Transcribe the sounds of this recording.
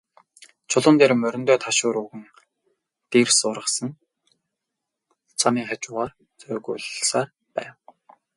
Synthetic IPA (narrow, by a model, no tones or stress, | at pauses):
t͡ɕʰʊɮʊːnt̪eːɾmœɾʲɪ̆nt̪œːt̪ʰaʃʊːɾuɣɘ̆n | t̪iːrsʊːɾə̆sə̆n | t͡sʰamiːŋχat͡ɕʊːʁaːr | t͡sœːɣʊ̰ːɮsaːr | pæ̰ːw